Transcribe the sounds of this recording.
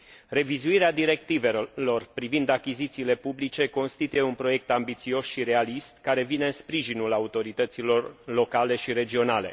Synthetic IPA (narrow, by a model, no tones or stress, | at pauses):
re̞vizuiɾead̪iɾe̞k̚t̪ive̞lo̞rpɾivind̪akʲizit̪siːle̞publit͡ʃe̞ko̞nst̪it̪uje̞unpɾo̞je̞k̚t̪ambit̪sio̞sʃiɾe̞alist̪kaɾe̞vine̞ɨnspɾiʒinulaut̪o̞ɾit̪ət̪silo̞rlo̞kale̞ʃiɾe̞d͡ʒio̞nale̞̰